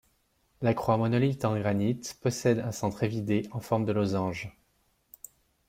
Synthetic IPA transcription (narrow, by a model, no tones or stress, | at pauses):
lakχwamɔnɔlit̪ɑ̃ɡʁanit̪pɔsɛd̪ɛ̃sɑ̃t̪χevid̪eɑ̃fɔʁmd̪əlozɑ̃ʒ